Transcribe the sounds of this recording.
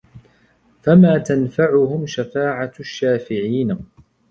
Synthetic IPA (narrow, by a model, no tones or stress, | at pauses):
famaːt̪anfaʕʊhʊmʃafaːʕaʃːaːfɪʕiːn